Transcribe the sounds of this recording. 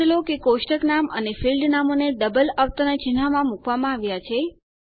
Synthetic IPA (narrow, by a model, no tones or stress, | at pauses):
lokekoʃʈəknamənefilɖnamoneɖəbəlaʋt̪ənat͡ʃinamãmukʋamãaːʋjat͡ʃʰe